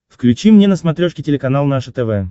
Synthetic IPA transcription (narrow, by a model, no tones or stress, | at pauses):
fklʲʉt͡ɕimnʲenəsmɐt̪ɾʲoʂkʲɪtʲɪlʲɪkɐnalˠnaʂət̪ɛvɛ